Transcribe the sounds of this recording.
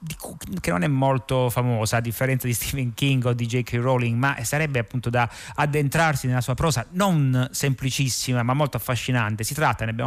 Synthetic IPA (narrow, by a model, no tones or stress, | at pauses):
d̪ikkenːonɛmːolt̪ofamɔːsaad̪ifːeɾɛnt̪sad̪ist̪ʰiveŋkiŋɡod̪ːid͡ʒekʰiɾoliŋɡmaʔsaɾɛbːeapːunt̪od̪aː | d̪ːent̪ɾarsinelasuːapɾɔːsanonsemplit͡ʃisːimamamːolt̪oafːaʃːinant̪esit̪ɾat̪ːaneabja̰